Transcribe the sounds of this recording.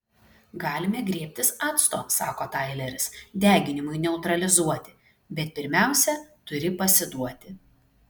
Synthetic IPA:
ɡɑːlʲɪmʲɛɡɾʲiɛpʲt̪ʲɪsɑːt̪st̪oːsɑːkoːt̪ɐɪlʲɛɾʲɪsd̪ʲæːɡʲɪnʲɪmʊɪnʲɛʊt̪ɾɐlʲɪzuɔt̪ʲɪ̥ | bʲɛt̪̚pʲɪɾʲmʲæˑʊsʲɛt̪ʊɾʲɪpɐsʲɪd̪uɔt̪ʲɪ

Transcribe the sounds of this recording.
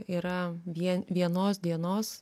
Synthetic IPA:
iːɾɐʋʲiɛʋʲiɛnoːs̬d̪ʲiɛnoːs

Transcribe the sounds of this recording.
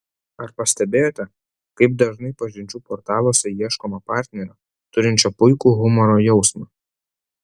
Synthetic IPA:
ɐɾpɐsʲt̪ʲɛbʲeːjoːt̪ʲɛ | kɐɪp̚d̪ɐʒnɐɪpɐʒʲɪnʲt͡ʃʲuːpɔːɾt̪ɑːlˠoːsʲɛjiɛʃkoːmɐpɑːˑɾʲt̪ʲnʲɛɾʲɛ | t̪ʊɾʲɪnʲt͡ʃʲɛpʊɪkuːɣʊmɔɾoːjɛʊsmɑː

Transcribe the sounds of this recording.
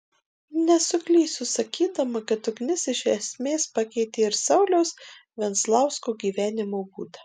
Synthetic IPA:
nʲɛsʊkʲlʲiːsʊsɐkʲiːd̪ɐmɐkɐt̪ʊɡnʲɪsɪʃɛsʲmʲeːspɑkʲɛɪt̪ʲeːɪɾsɐʊlʲɛʊsʋʲɛnslˠɑˑʊskoːɡʲiːʋʲæːnʲɪmoːbuːd̪ɐ

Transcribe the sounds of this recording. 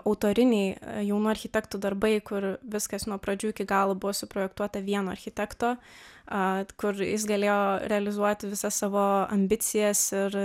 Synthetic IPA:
ɐʊt̪oːɾʲɪnʲɛɪjɛʊnuːɐɾʲxʲɪt̪ʲɛkt̪uːd̪ɐɾbɐɪkʊɾʋʲɪskɐsnuɔpɾɐd͡ʒʲuːɪkʲɪɡɑːlˠobʊʋoːsʊpɾoːjɛkt̪uɔt̪ɐʋʲiɛnoːɐ̰ɾʲxʲɪt̪ʲɛkt̪oːɐkʊɾjɪsɡɐlʲeːjoːɾʲɛɐlʲɪzuɔt̪ʲʋʲɪsɐssɑːʋoːɐ̰mʲbʲɪt̪t͡s̪ʲɪjɛsɪɾ

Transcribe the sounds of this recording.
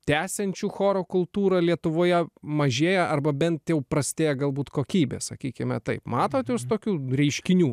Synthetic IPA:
t̪ʲæːsʲɛnʲt͡ʃʲuxoːɾoːkʊlˠt̪uːɾɐlʲiɛt̪ʊʋoːjɛmɐʒʲeːjɛʔɐrbɐbʲɛnt̪jɛʊpɾɐsʲt̪ʲeːjɛɡɐlˠbuːt̪koːkʲiːbʲḛsɐkʲiːkʲɪmʲɛt̪ɐɪpmɑːt̪oːt̪just̪oːkʲuːɾʲɛɪʃʲkʲɪnʲuː

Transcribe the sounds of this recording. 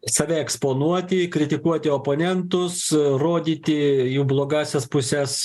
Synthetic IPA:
sɐʋʲɛɛkspoːnuɔt̪ʲɪkɾʲɪt̪ʲɪkuɔt̪ʲɪoːpoːnʲɛnt̪ʊsroːd̪ʲiːt̪ʲɪjuːblˠoːɡɑːsʲɛspʊsʲɛs

